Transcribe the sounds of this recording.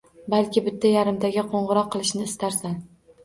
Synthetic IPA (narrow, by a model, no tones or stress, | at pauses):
balkʲɪbɪt̪ʰːajaɾɪmt̪ʰaɡʲɪqʰoɴʁɨɾɒqʰːɨlˠɪʃnɪːst̪aɾsan